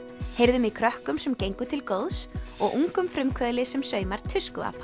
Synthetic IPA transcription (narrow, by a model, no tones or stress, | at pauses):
hejɾðʏmikʰɾœhkʏmsɛmcejŋkʏt̪ʰɪlkowðsɔɣʔuŋkʏmfɾʏmkʰvɛːðlɪsɛmsœːɥmaɾ̥t̪ʰʏskʏa̰ːp